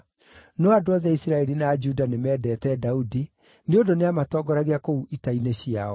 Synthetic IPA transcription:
noadoɔðɛisiɾaɛɾinad͡ʒudanemɛːdɛːtɛdaudi | neondoneamatɔːɡɔɾaɣeakouʔitaineɕiaɔ

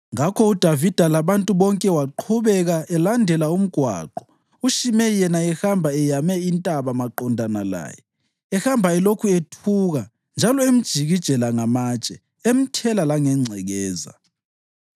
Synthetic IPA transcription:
ŋakʰɔud̥ʱavid̥ʱalaβantʼuβɔŋkʼɛwaǃʰuβɛɣaʔɛlandʱɛlaum̩ɡ̥ʱwa̰ːǃɔ | uʃimɛjɛnaɛxambʱaɛjamɛintʼaβamaǃɔndʱanala̰ːjɛ̰ | ɛhambʱaɛlokʰuetʰuɣa | nd͡ʒʱalɔem̩d̥ʒ̥ʱiɣid̥ʒ̥ʱɛlaŋamat͡ʃʼɛ | em̩tʰɛlalaŋɛŋ͡ǀʱɛɣɛːza̰

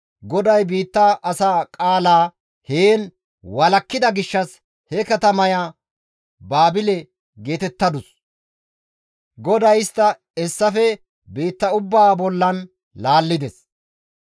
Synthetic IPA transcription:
ɡɔd̪ɐjbiːt̪ːɐʔɐsaːkʼaːlaː | heːn | wɐlɐkːɪd̪ɐɡɪʃːɐs | hɛkɐt̪ɐmɐjaː | baːbɪlɛ | ɡeːt̪ɛt̪ːɐd̪ʊs | ɡɔd̪ɐjɪst̪ːɐ | ɛsːɐfɛ | biːt̪ːɐʊbːaːbɔlːɐn | laːlːɪd̪ɛs

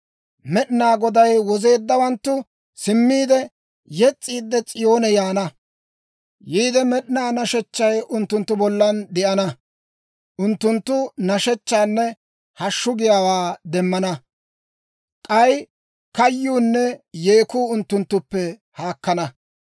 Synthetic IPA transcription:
mɛɗɪnaːɡɔd̪ɐjwɔze̞ːd̪ːɐwɐnt̪ːʊ | sɪmːiːd̪ɛ | jɛt͡sʼːiːd̪ːɛt͡sʼɪjo̞ːnɛjaːnɐ | jiːd̪ɛmɛɗɪnaːnɐʃɛt͡ʃːɐjʔʊnt̪ːʊnt̪ːʊbɔlːɐnd̪ɪʔɐnɐ | ʔʊnt̪ːʊnt̪ːʊnɐʃɛt͡ʃːaːnːɛ | hɐʃːʊɡɪjaːwaːd̪ɛmːɐnɐ | kʼɐj | kɐjːuːnːɛje̞ːkuːʊnt̪ːʊnt̪ːʊpːɛ | haːkːɐnɐ

